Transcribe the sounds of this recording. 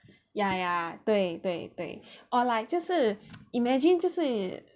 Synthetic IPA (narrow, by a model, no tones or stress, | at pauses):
jajatwetwet̪wḛʔɔlaɪk̚d͡ʒɔsəimɛd͡ʒĩnd͡ʒɔsə